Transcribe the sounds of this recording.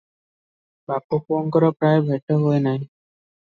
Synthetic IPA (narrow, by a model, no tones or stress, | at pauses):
bapoponkɔɾɔpɾaebʱeʈɔɦoenaɦj